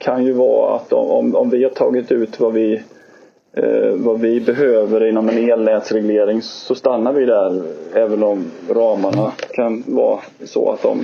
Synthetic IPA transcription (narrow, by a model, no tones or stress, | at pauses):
kʰanjɵvɑːa̰t̪ːɔ̰mɔmɔmvɪhaʈʰɑːɡɪt̪ʉ̟ːt̪vavɪ | vavɪbɛɦøːvəɾɪnːɔmɛneːlnɛːt̪sɾɛɡleːɾɪŋsɔst̪anːaɾvɪd̪æɾɛːvənɔmɾɑːmaɳakʰanvɑ̰ː | sɔ̰a̰t̪̚d̪ɔ̰m